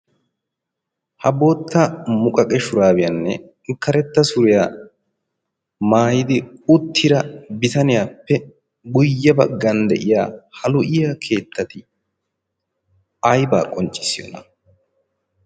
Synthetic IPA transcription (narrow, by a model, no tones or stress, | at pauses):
hɐbo̞ːt̪ʰːɐmʊkʼɐkʼɛʃʊɾaːbɪjɐnːɛ̰ | kːɐɾɛt̪ːɐsʊɾɪjaː | maːjɪd̪ɪʊt̪ʰːɪɾɐbɪt̪ɐnɪjaːpːɛ | ɡʊjːɐbɐɡːɐnd̪ɛ̰ʔɪja̰ːhɐlʊʔɪjakʰe̞ːt̪ʰːɐt̪ɪ | ɐjba̰ːkʼɔnt͡ʃʼɪ̥sɪjo̰ːnɐ̰